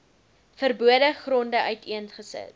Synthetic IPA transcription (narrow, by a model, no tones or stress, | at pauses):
fərbuədəχrɔndəʔœɥtʰiənχəsə̰t